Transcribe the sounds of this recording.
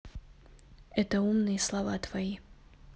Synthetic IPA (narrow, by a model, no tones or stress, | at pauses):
ɛt̪ɐumnɨjɐslˠɐvat̪v̥ɐji